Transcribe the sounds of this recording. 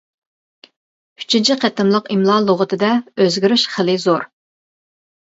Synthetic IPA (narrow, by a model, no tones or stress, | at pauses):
y̥t͡ʃʰint͡ʃʰiqʰɛt̪ɪmlˠəqimlˠɑlˠoʁət̪ʰɨd̪ɛøzɡʲiɾyʃχəlɪzoɾ